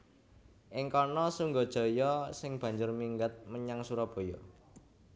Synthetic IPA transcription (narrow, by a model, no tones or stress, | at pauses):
ʔɪŋkɔnɔsuŋɡod̥ʒ̥ɔ̤jɔsɪŋb̥ä̤ɲd͡ʒʊrmiŋɡat̪̚məɲaŋsuɾɔb̥o̤jɔ